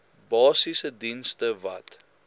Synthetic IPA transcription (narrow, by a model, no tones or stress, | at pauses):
bɑːsisədinstəvɐ̰t